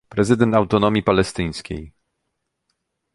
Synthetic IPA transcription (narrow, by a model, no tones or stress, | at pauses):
pɾɛzɘd̪ɛnt̪awt̪ɔnɔmʲjipalɛst̪ɘj̃skʲḛj